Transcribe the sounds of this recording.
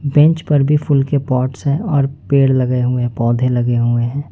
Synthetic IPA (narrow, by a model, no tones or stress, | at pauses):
bɛ̃ɲt͡ʃpɐɾbʱifʰʊlkepɔːʈsɦɛ̃ɔːɾpeːɽlɐɡeɦʊeɛ̃pɔːd̪ʱelɐɡeɦʊeɦɛ̃ː